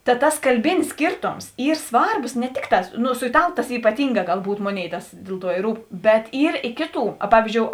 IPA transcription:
tɐ ˈtɐs kɐlʲˈbʲɪnʲɪs ˈsʲkʲiːrtoːms ˈiːr ˈsʋɐrboːs nʲɛ ˈtʲɪkˌtɑː ˈnʊ sʊ ɪˈtɑːlˠʊ tɐs iːpɐˈtʲiːŋˌɡɑː ɡɐlˠˈbuːt ˈmoːˌnʲeːɪ ˈtɐs ˈdʲeːlˠ ˌtuɔ ɪ ˈruːp bʲɛt ˈiːr ɪ ˈkʲeːˌtuː ɐ ˈpɑːʋʲiːzʲd͡ʒʲoːʊ

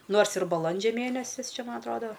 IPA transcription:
ˈnoːrs ɪr bɐˈlˠɐnʲd͡ʒʲɛ ˈmʲeːnʲɛsʲɪs ˈt͡ʃʲɛ ˈmɐn ɐtˈroːdoː

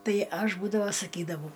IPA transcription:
ˈtɐɪ ˈɐʃ ˈbuːdɐʋɐ sɐˈkʲiːdɐʋɐʊ

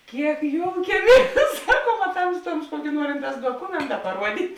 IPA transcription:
ˈkʲiɛk ˈjoːʊkʲiɛˌmʲiɛs ˈsɑːˌkuɔm ɐ ˈtɐmstuɔms ˈkuɔkʲɪ ˈnuɔrʲɪnˌtɑːs duɔˈkʊmʲɛntɐ pɐˈruɔdʲiːtʲ

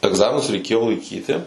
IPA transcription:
ɛɡˈzɑːmʲɪnʊs rʲɛɪˈkʲeːjoː lˠɐɪˈkʲiːtʲɪ

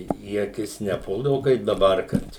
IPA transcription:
iː ɐˈkʲɪs nʲɛˈpʊlˠdɐʋʊ kɐɪp dɐˈbɐr ˈkɐt

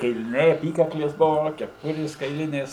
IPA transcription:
kɐɪlʲɪˈnʲɛɪ ɐˈpʲiːkɐklʲeːs ˈbʊʋoː kʲɛˈpʊrʲeːs kɐɪˈlʲɪnʲeːs

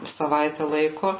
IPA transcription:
sɐˈʋɐɪtʲæː ˈlˠɐɪkʊ

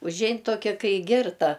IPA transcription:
ʊʒʲˈɛɪn ˈtoːkʲɛ ˈkɐɪ ˈɡʲɪrtɐ

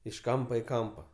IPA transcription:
ɪʃ ˈkɐmpɐ ɪ ˈkɐmpɐ

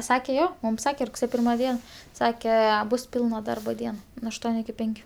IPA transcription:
ˈsɑːkʲɛ ˈjoː mʊm ˈsɑːkʲɛ rʊkˈsʲeːjoː ˈpʲɪrmɐ ˈdʲiɛn ˈsɑːkʲɛ ˈbʊs ˈpʲɪlˠnɐ ˈdɐrbɐ ˈdʲiɛn nʊ ɐʃˈtuɔnʲʊ ɪkʲɪ ˈpʲɛŋʲkʲʊ

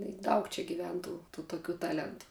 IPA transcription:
ɪ ˈdɐʊk t͡ʃʲɛ ɡʲɪˈʋʲɛn ˈtuː tuː toːˈkʲuː ˈtɑːlʲɛntʊ

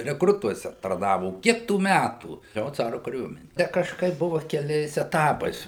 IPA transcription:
rʲɛkˈrʊtuɔsʲɛ tɐrˈnɑːʋoː oː ˈkʲiɛk tuː ˈmʲætuː ˈjoː ˈt͡sɑːrʊ kɐˈrʲuɔmʲɛnʲɪ ˈtʲɛ kɐʃˈkɐɪp ˈbʊʋɐ kʲɛˈlʲɛɪs ɛˈtɑːpɐɪs

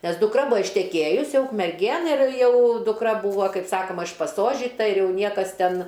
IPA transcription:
nʲɛs dʊkˈrɐ ˈbʊɐ ɪʃʲtʲɛˈkʲeːjʊs ˈjɛʊ ʊkmʲɛrʲˈɡʲeːn ɪr ˈjɛʊ dʊkˈrɐ ˈbuːʋɐ ˈkɐɪp ˈsɑːkoːmɐ ɪʃpɐˈsoːʒʲiːtɐ ɪr ˈjɛʊ ˈnʲiɛkɐs ˈtʲɛn

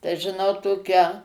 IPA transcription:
tɐɪ ʒʲɪˈnɐʊ ˈtoːkʲæː

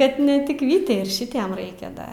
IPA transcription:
ˈkɐt nʲɛ tʲɪk ˈʋʲiːtʲɛɪ ɪr ˈʃʲɪtʲiɛm ˈrɐɪkʲɛ ˈdɐ

